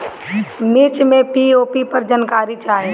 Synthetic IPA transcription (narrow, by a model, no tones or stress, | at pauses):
mɪt͡ʃmẽpioːpipəɾd͡ʒənkaːɾit͡ʃʰaːɦẽ